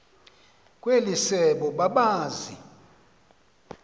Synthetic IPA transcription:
kʼwelisɛɓɔɓaɓaːzi

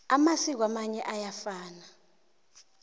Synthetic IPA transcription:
amasik̬wamaɲɛʔajafaːna

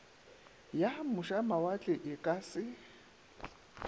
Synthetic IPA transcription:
jamʊʃamawat͡ɬʼɪʔɪkʼasɪ

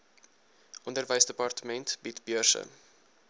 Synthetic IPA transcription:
ʔɔndərvəjsdəpɑrtəmɛntbitbjərʃə̰n

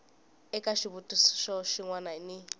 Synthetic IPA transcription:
ɛkʼaʃiβutʼusʃɔʃiŋwanaini

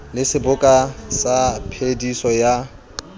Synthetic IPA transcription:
lɪsɪbʊkʼasapʰedisɔja

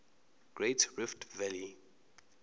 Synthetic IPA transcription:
ɡ̥ɹetʰɹɪftvɛli

